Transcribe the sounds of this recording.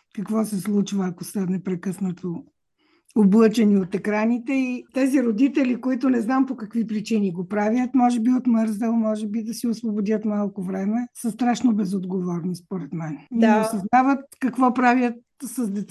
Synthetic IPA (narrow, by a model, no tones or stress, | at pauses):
kɐkvɔsɛslˠut͡ʃvɐːkosənɛpɾɛkɤsnət̪o | oblˠɤt͡ʃɛniot̪ɛkɾanit̪ɛit̪ɛziɾod̪it̪ɛlʲikoit̪ʊnɛznampokɐkvipɾit͡ʃiniɡopɾavjət̪mɔʒɛbiot̪məɾzɛlˠmɔʒɛbid̪ɐsiosvobod̪ʲət̪malˠkovɾɛmɛsəst̪ɾaʃnobɛzod̪ɡovɔɾnispoɾɛt̪mɛniosɐznavət̪̚kɐkvɔpɾavjət̪̚ | sɐzd̪ɛt̪